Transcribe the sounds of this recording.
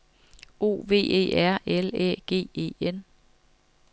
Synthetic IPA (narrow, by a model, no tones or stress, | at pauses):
o̝̰ːʋe̝̰ːe̝̰ːæɐ̰elɛ̰ɡ̥e̝̰ːe̝̰ːen